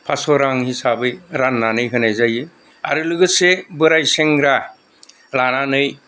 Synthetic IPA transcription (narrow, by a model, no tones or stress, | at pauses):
pʰasɔɾaŋhisabɯjɾanːanɯjɦɯnajzajɯ | a̰ɾɯlɯɡɯsebɯɾajseŋɾa | ɾananɯj